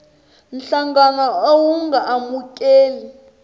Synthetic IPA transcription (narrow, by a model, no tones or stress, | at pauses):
nɬaŋɡanaowuŋɡʱaʔːmukʼeːli